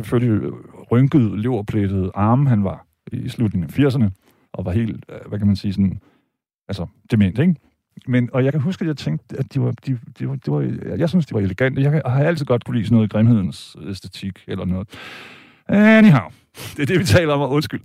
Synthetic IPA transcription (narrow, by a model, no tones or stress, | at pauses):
seføl̰liʁœŋɡ̥əð̩ˠle̝ʊ̰ɐpʰled̥ð̞̩ˠɑ̈ːməɦænʋɑ̈ | islud̥ne̝ŋfiɐs̬ɐnə | ʔɒ̽ʋɑ̈ɦe̝̰ːl̥ʋækʰæmænsiːsɔ̽nn̩ | ælsɐd̥e̝me̝nd̥eɡ̥ | menɒ̽jɑ̈ɪkʰæɦusɡ̥æjɑ̈ɪt͡sʰeŋ̰d̥æd̥iʋɑ̈d̥id̥eʋɑd̥e̝ʋɑ̈jɑ̈ɪsynsd̥iʋɑ̈e̝leɡ̥æn̰d̥əjɑ̈ɪhɑ̈æl̰t͡sʰið̩̰ˠɡɒ̽d̥kʰu̥lḭːsnɔ̽ːðˠɡ̥ʁemhe̝ð̞̰ˠn̩sesd̥et͡sʰiɡ̥elɐnɔ̽ːð̩ˠ | niɦɑ̈ʊ | d̥e̝ɐd̥e̝ʋit͡sʰɛ̰ːlɐɒ̽mɒɔ̽nsɡ̥yl̰